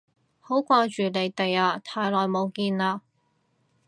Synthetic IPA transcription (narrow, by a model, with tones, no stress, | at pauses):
ho˨˥wkʷaː˧t͡ʃyː˨le˨˧jt̪e˨jaː˧t̪ʰaː˨˧jlɔː˨˩jmo˨˧wkiː˧naː˧